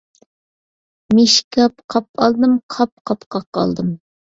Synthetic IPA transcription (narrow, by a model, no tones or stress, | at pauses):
meʃkʲɑp̚qʰɑp̚ɑlˠd̪ɨmqʰɑp̚qʰɑpqʰɑqːɑ̰lˠd̪ɨm